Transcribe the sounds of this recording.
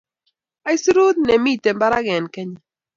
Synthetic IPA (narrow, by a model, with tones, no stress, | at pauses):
a˦jsi˦ɾu˦d̪nɛ˨mi˦˨tɛ˨mba˦ɾa˦ɡɛ˨nkɛ˦ɲɛ˨